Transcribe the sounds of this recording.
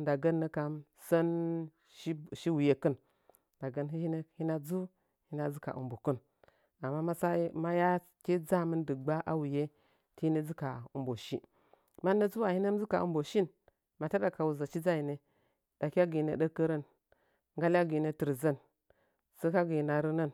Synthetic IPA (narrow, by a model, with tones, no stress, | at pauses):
da˨ɡə˦nːə˦ka˨˦m | sə˦n˦ | ʃi˦wu˨je˦kə˦n | da˨ɡə˨nɦi˦hi˦ne˦hi˦na˦d͡zu˦ | hi˦na˦d͡zu˦ka̰˨ʔṵ˨mbo˨kə˦n | a˨mːa˦ma˦sa˦ma˦ja˦ | ke˦d͡za˦mə˦ndɨ˨ɡ͡ba˦ʔa˦wu˨je˦ | ti˦i˦ne˦d͡zu˦ka˨u˨mbo˨ʃi˦ | ma˦na˦d͡zu˦wa˨hi˦ne˦m˦d͡zi˦ka̰˨ʔṵ˦bo˨ʃi˦n | ma˨ta˦da˨ka˨wu˨za˨t͡ʃi˦d͡za˦ji˨ne˨ | da˨kʲa˦ɡi˨ne˨də˦kːə˦ɾə˦n | ŋɡa˦lʲa˦ɡi˨ne˨tə˨ɾzə˦n | sə˦ka˦ɡi˨ji˨na˨ɾə˦nə˦n